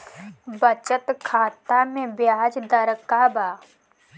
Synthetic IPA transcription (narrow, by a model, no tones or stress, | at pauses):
bət͡ʃət̪kʰaːt̪amẽbjaːd͡ʒd̪əɾəkaːbaː